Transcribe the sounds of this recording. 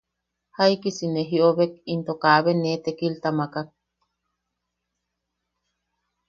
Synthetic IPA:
haikisineɦioβekint̪okaβenːet̪ekilt̪amakak̚

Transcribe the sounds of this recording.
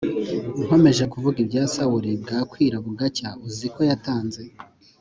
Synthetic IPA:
uɦo̞me̞ʒe̞kuvuɡibɟaːsawuɾib̚ɡaːkwiːɾaβuɡacauziko̞jataːnze̞

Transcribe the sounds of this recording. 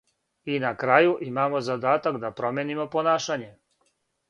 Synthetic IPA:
inakɾaːjuʔimaːmo̞zad̪aːt̪akd̪apɾo̞mʲjenimo̞po̞naːʃaɲe̞

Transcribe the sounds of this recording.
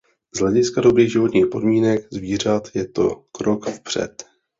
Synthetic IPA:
zɦlɛɟɪskado̞bɾiːɣʒɪvo̞t̪ɲiːxpo̞dmiːnɛkzviːr̝at̪jɛt̪o̞̰kɾo̞kfpr̝̥ɛ̰t̪

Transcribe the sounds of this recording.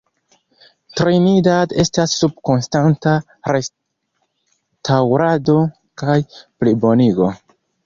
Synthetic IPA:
tɾinidade̞stasːub̚ko̞nstanta | ɾe̞s | tʰawɾado̞ | kajplibo̞niɡo̞

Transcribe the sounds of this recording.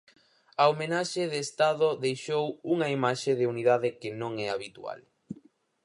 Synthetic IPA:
ɐomenaʃeðeːst̪aðʊðejʃowuŋɐimaʃeðɪuniðaðɪkɪnõŋɛaβit̪ua̰l

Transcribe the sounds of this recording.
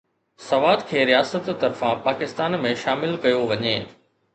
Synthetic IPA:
sɐʋaːd̪kʰeːɾijaːsət̪t̪ːɐɾfãpaːkɪst̪aːnmẽʃaːmɪlkɐjoʋɐɲeː

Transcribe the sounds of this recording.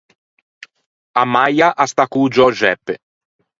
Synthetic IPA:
amːajaʔast̪akud͡ʒɔʒɛpː

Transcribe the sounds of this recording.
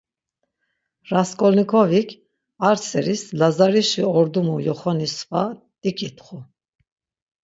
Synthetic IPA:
ɾaskʼɔlnikʰɔvikʰ | aɾsɛɾislazaɾiʃiɔɾd̪umujɔχɔnisva | d̪ikʼit̪ʰʼχu

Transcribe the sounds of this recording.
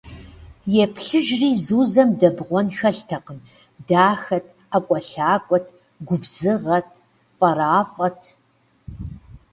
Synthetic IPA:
jɛpʰɬɨʒriːzuːzɐmdɐbʁʷɔnxɐɬtʰɐqən | daːxɐtʰ | akʷʼɔɬaːkʷʼɔtʰ | ɡʷʊbzɨʁɐtʰ | fʼɐɾaːfʼɐtʰ

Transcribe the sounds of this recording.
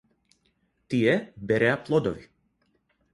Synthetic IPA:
t̪iɛbɛɾɛaplˠɔd̪ɔvi

